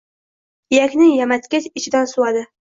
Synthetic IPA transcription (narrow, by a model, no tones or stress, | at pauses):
jakʲnɪŋjamat̪kʲat͡ʃɪt͡ʃʰɪd̪ansʊwad̪ɪ